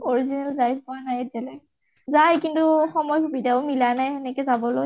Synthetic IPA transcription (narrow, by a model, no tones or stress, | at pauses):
oɹizinɛlzajkɔanajɛdɛlɛ | zajkintuxɔmɔjkubidaʊmilanajɛnɛkɛzabɔloj